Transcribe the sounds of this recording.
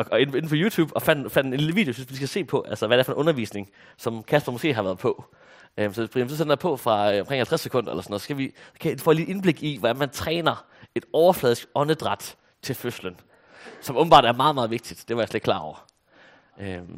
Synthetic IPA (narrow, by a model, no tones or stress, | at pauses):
ɒɒe̝ne̝n̩pʰɒ̽juːt͡sʰṵːb̥ɒ̽fæn̰d̥fæn̰d̥enliləʋḭːd̥eosynsʋisɡ̥æse̝̰ːpʰɒ̽ʔælsəʋæd̥eæɐfɒ̽nʔɔ̽nɐʋḭːsne̝ŋ | sɒ̽mkʰæsb̥ɐmɔsɡ̥e̝̰ːɦɑ̈ʋæːɐðˠpʰɒ̽ | ømsɒb̥ʁiʋisɔsend̥ɑpʰɒ̽fʁɑ̈øɒ̽mkʰʁeŋhælt͡sʰʁæsːe̥kʰɔ̽n̰d̥ɐelɐsnːð̩ˠsɡ̥æʋiskʰæifɒ̰ːliʔe̝nb̥le̝ɡ̥iʋɒd̥ænmænt͡sʰʁɛ̰ːnɐ | e̝d̥ɒʊɐflɛðˠsɡ̥ɒ̽nəd̥ʁɑ̈d̥ | t͡sʰe̝lføslən | sɒ̽mɔ̽b̥̩b̥ɑ̈dæɐmɑ̈ːðˠmɑ̈ːð̞̩ˠe̝ɡ̥̚d̥id̥d̥eʋɑ̈jasled̥̚klɑ̰̈ɒ̰ʊ̰ɐ | ʔøm